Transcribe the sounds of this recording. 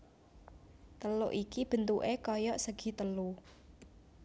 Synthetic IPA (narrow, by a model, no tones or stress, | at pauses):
t̪əloʔikib̥ə̤nt̪uʔekɔjɔʔsəɡ̥i̤t̪əlu